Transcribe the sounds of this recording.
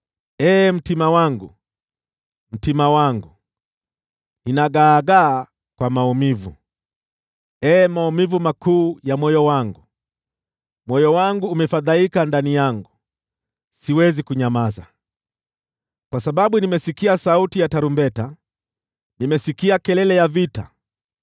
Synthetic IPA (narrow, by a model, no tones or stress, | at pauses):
ɛːm̩timawaŋɡu | m̩timawaŋɡu | inaɡaːɡaː | kwamaumivu | ɛːmaumivumakuːjamwɔjɔwaŋɡu | mwɔjɔwaŋɡuːmɛfaðaikandanijaŋɡu | siwɛzikuɲamaza | kwasaɓaɓunimɛsikiasautijataɾumbɛta | nimɛsikiakɛlɛlɛjavita